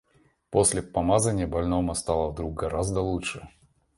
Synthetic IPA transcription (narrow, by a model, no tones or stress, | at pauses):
posʲlʲɪpɐmazənʲɪjəbɐlʲnomɐst̪alˠəvd̪ɾuk̚ɡɐɾazd̪əlˠuʂɨ